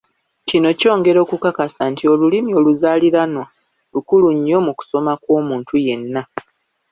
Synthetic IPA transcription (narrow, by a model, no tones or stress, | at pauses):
cino̞co̞ːŋɡe̞ɾo̞ːkukakasantio̞lulimio̞luzaːliɾano | lukuluɲːo̞muku̥so̞makwo̞ːmuːntuje̞nːa